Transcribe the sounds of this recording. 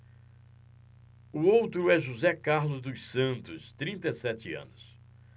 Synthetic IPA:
ʊowt̪ɾʊɛʒuzɛkaɾlʊzd̪ʊssɐ̃nt̪ʊst̪ɾĩnt̪ejsɛt͡ʃɪɐ̰̃nʊs

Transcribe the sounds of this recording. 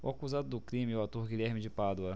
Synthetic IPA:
ʊ̰akuzad̪ʊd̪ʊkɾĩmɪʊat̪oɾɡiʎʲɛɾmɪd͡ʒɪpad̪wɐ

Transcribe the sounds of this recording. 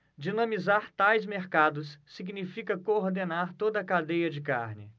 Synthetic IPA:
d͡ʒinɐ̃mizaɾt̪ajzmeɾkad̪ʊsːiɡnifikɐkoɾd̪enaɾt̪od̪ɐːkad̪ejɐd͡ʒɪka̰ɾnɪ

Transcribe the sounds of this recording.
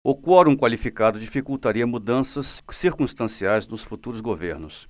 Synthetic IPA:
ʊkɔɾũkwalifikad̪ʊd͡ʒifikuwt̪aɾiɐmud̪ɐ̃sɐsːiɾkũst̪ɐ̃siajznʊsfut̪uɾʊzɡovḛɾnʊs

